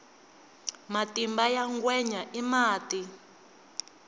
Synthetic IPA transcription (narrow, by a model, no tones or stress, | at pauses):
matʼimbajaŋɡwɛɲaʔimaːtʼi